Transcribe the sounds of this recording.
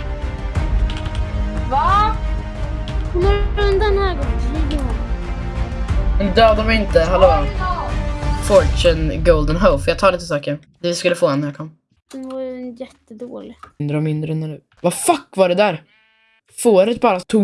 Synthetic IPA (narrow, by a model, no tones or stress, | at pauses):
va | hʊnaɵnd̪ad̪ɛnhæːɡɔŋːiɡ̪əɔ | mɛnd̪øːd̪avɪɪnt̪əɦɛloː | fɔɾt͡ʃənɡowld̪ənɦoʊfjɑːt̪ʰɑːɾɭit̪əsɑːkəɾ | d̪ɛvɪskɵlːəfoːhɛnːæɾjɑkʰɔmː | d̪̥ɛnvajjɛt̪ːəd̪oːlɪnd̪ɾəɔmɪnd̪ɾəɛnːænʉ̟ː | vafakːvaɖɛd̪æːɾ | foːɾət̪̚bɑːɾat̪ʰuː